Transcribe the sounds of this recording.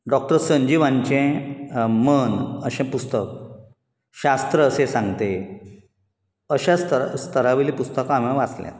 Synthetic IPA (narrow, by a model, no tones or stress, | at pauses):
ɖɔk̚ʈəɾsəɲd͡ʑiʋãɲt͡ɕẽ | mənəɕẽpust̪ək | ɕast̪ɾəːsẽsãŋɡt̪e | əɕast̪əst̪ʰəɾaʋiliːpust̪əkaameʋat͡slɛ̰̃t̪